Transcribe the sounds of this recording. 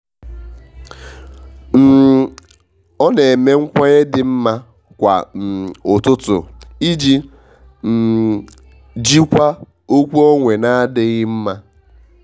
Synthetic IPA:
m̩˨ | ɔ˦ne˨e˨me˦ŋ̩˦kʷa˦ɣe˦dɪ˨m̩˦ma˦ | kʷa̰˨m̩˨ʊ˨tʊ˦tʊ̰˨i˦d͡ʒi˦ | m̩˨ | d͡ʒi˦kʷa˦ | o˦kʷu˦ɔ˦ŋʷe˨na˦a˦dɪ˨ɣɪ˦m̩˦ma˦

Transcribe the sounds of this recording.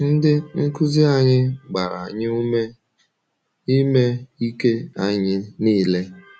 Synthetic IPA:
n̩˦dɪ˦ŋ̩˦ku˦zi˦a˨ɲɪ˦ɡ͡ba˨ɾa˨a˨ɲɪ˦u˦e˦ | i˦me˦i˦ke˦a˨ɲɪ˦niː˦˨le˦

